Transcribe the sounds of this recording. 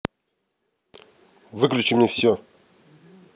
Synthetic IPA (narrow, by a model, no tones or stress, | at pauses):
vɨklʲʉt͡ɕɪmnʲefsʲo